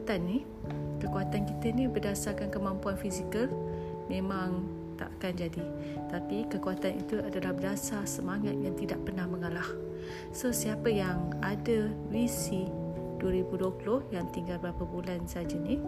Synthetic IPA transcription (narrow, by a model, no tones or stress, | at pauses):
t̪anːih | kəkuat̪ankit̪ənibərdasarkankəmãmpuanfizikəl | mẽmãŋ | t̪a̰ʔakand͡ʒadi | t̪apikəkuat̪anḭt̪uadalahbərdasasəmaŋat̪̚jaŋt̪idaʔpərnahməŋalah | səsiapəjaŋadəvisi | duəɾibuduəpulʊhjaŋt̪iŋɡalbəɾapabulansad͡ʒani